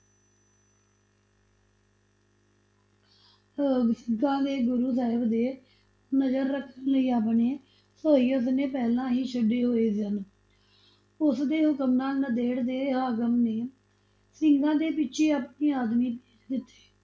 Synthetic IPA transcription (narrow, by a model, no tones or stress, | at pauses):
əɡsɪŋɡãːd̪eːɡʊɾuːsaːɪbd̪eː | nəd͡ʒəɾːəkʰːənləiːaːpneː | soːiːʊsneːpɛːlãːɦiːt͡ʃʰəɖːeːɦoːeːzən | ʊsd̪eːɦʊkəmnaːlnəd̪eːɽd̪eːɦaːkəmneː | sɪŋɡãːd̪eːpɪtːʃʰeːaːpniːaːd̪miːpe̥ːd͡ʒd̪ɪt̪ːe̥ː